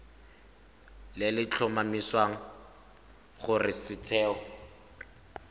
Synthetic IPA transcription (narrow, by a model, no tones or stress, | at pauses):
lɪlɪt͡ɬʰɔmamiswaŋ̩ | χʊrɪsɪtʰɛːɔ